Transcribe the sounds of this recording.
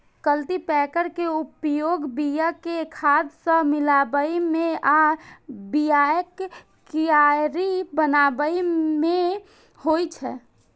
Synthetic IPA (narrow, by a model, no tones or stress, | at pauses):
kəlt̪ipɛːkəɾkeupjoːɡbijəkekʰaːd̪sə̃mɪlaːbəimẽa | bijajəkː | ijaːɾibənaːbəimẽ | hoit͡ʃʰɛ̰ː